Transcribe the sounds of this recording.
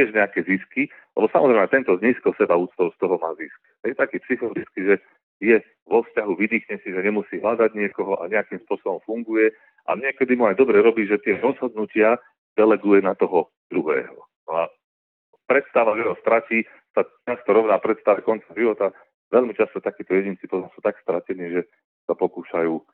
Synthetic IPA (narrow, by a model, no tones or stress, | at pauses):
t̪ɪɛʒɲɛakɛziski | lɛ̰bɔsamɔzɾɛɪmɛt̪ɛnt̪ɔzɲiːskɔlsɛbauːt̪t͡st̪ɔʊst̪ɔɦɔmaːzisk | jɛt̪akiːpsixɔlɔdit͡skiʒɛ | jɛ | ʋɔfscaɦuʋid̪iːxɲɛsiʒɛɲɛmusiːɦlad̪aɟɲɪɛkɔɦɔʔa̰ɲɛakimspʊɔsɔbɔmfuŋɡujɛ | ʔa̰ɲɪɛkɛd̪imuajd̪ɔbɾɛɾɔbiʒɛt̪ɪɛɾɔzɦɔd̪nucɪa | d̪̥ɛlɛɡujɛnat̪ɔɦɔ | d̪̥ɾuɦɛ̰ːɦɔ̰ | nɔa | pɾɛt̪st̪aʋaʒjɛɦɔst̪ɾaciː | sat͡ʃast̪ɔɾɔʋnaːpɾɛt̪st̪aʋɛkɔnt͡saʒiʋɔt̪a | ʋɛlmit͡ʃast̪ɔt̪akiːt̪ɔjɛɟint͡sipɔt̪ɔmsuːt̪akst̪ɾacɛniːʒɛ | sapɔkuːʃajuː